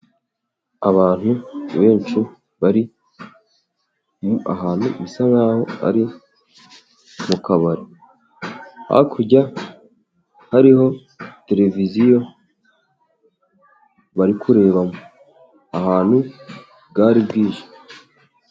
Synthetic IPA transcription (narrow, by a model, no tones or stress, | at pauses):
aβaːn̥huβe̞ːnt͡ʃu | βaɾi | a̰ɦaːn̥hṵβisaβahoa̰ɾi | mukaβaɾe | ha̰kʰuɟa | haɾiho̞ | te̞ɾe̞vizijo̞ | βaɾikʰuɾe̞ːβamo | ahaːn̥hu | bɡaːɾibɡiːʒe̥